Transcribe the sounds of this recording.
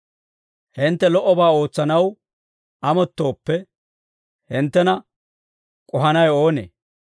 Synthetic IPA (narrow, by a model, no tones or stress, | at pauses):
hɪnt̪ːɛlɔʔːɔbaːo̞ːt͡sːɐnɐw | ʔɐmɔt̪ːo̞ːpːɛ | hɪnt̪ːɛnɐ | kʼʊɦɐnɐjo̞ːnḛː